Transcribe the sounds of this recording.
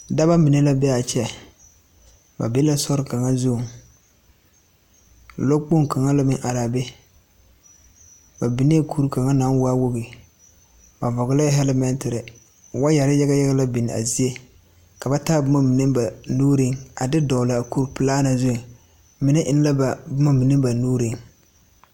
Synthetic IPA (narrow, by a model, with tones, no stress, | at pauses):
da˦ba˦mi˨ne˦la˦bɛ˦a˨t͡ʃɛ˦˨ | ba̰˨be˦la˦sɔ˦ɾɪ˦ka˨ŋa˦zʊ˦˨ŋ˨ | lo˦k͡po˦ŋ˦ka˨ŋa˦la˦mɪ˦ŋʔa˨ɾaː˨be˦ | ba˨bi˨ni˦kʰu˦ɾu˦ka˨ŋa˦naː˨˦n˦wa˦wo˦bi˨ | ba˨vɔ˨ɡʊ˨˦la˦ɦɛ˦lɛ˦mɛ˦ntɪ˨ɾɪ˨ | wa˦ja˨ɾɪ˦ja˦ɡa˦ja˦ɡa˦la˦bɪ˨n˨a̰˨zi˦e˦ | ka˨ba˦ta˦bʊ˦ma˦mi˨nɨ˦ba˨nuː˦ɾɪ˦ŋa˨dɪ˦dɔ˨la˨ku˦ɾu˦pɨ˨laː˦na˨zʊ˦˨ | mɪ˨nɛ˦ʔɪ˦n˦la˦ba˨bʊ˦ma˦mi˨nɨ˦ba˨nuː˦ɾi˦ŋ